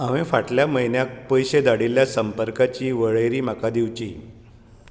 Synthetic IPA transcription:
aʋẽfaʈljaməjnjak̚pəjɕed̪aɽiljasəmpəɾkat͡ɕiːʋəɭəjɾiːm̤akad̪iʋt͡ɕiː

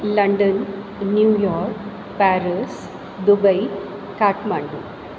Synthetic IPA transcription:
lɐɳɖɐnː | juːjɔːɾk | paːɾis | d̪ubɐj | kaːʈmaːɳɖu

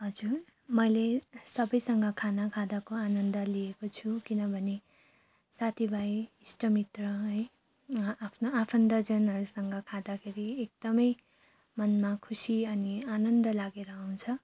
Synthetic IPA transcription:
ɦʌd͡zur | mʌjlesʌbʌjsʌŋɡʌkʰanʌkʰad̪akoanʌnd̪ʌliekot͡sʰukinʌbʱʌne | sat̪ʰibʱajisʈʌmit̪rʌɦʌj | apʰnoapʰʌnd̪ʌd͡zʌnɦʌɾusʌŋɡʌkʰad̪akʰeɾiek̚d̪̥ʌmʌj | mʌnmakʰusiʌnianʌnd̪ʌlaɡeɾʌaw̃t͡sʰʌ

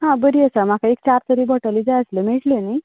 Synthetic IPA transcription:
ɦãbəɾiəsam̤akaek̚t͡ɕaɾt̪əɾiːbɔʈaliːd͡zajəsləmeɭʈlenəj

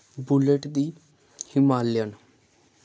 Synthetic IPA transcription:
bʊleʈd̪iː | hɪmaːljən

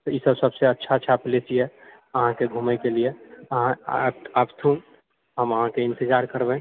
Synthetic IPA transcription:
t̪isəbsəbseətːʃʰatːʃʰaplet͡ʃie | əɦãkeɡʱuːmɛkelieəɦãaːpt̪ʰuːn | ɦəməɦãkeɪ̃nt̪ɪd͡ʒaːɾkəɾbɛ̃

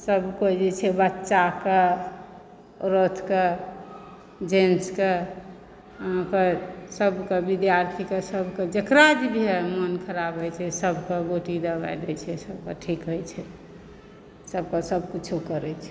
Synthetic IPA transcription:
səbkod͡ʒet͡ʃʰɛbətːʃake | ɾot̪ʰke | d͡ʒenske | ɦãkesəbʱkebid̪jaɾt̪ʰikesəbked͡ʒekɾad͡ʒbʱiɦemənkʰəɾabɦojt͡ʃʰɛsəbʱkeɡoʈid̪əba̰jd̪ɛ̰t͡ʃʰɛsəbkəʈʰikɦojt͡ʃʰɛ | səb̚kesəb̚kut͡ʃʰukəɾɛt͡ʃʰɛ

